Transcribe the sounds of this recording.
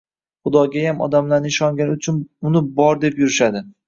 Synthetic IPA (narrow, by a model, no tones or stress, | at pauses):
χʊd̪ɒɡʲajamɒ̰d̪amlaɾnɪɪʃɒŋɡʲanʊt͡ʃʰʊnʊnɪbɒɾd̪e̞pjʊɾɪʃad̪ɪ